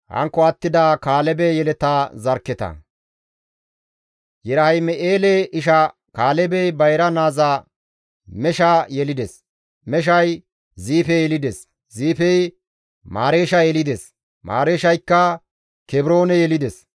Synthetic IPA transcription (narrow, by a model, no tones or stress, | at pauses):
hɐ̰ŋkːɔɐt̪ːɪd̪aːkaːlɛbɛjɛlɛt̪aːzɐɾkːɛt̪ɐ̰ | jɛɾɐhɐjmɛʔeːlɛɪʃɐ | kaːlɛbɛjbɐjɾɐnaːzaː | mɛʃajɛlɪd̪ɛs | mɛʃ̬ɐj | ziːfɛjɛlɪd̪ɛs | ziːfɛj | maːɾeːʃɐjɛlɪd̪ɛs | ma̰ːɾeːʃɐjkːɐ | kɛbɾo̞ːnɛjɛlɪd̪ɛs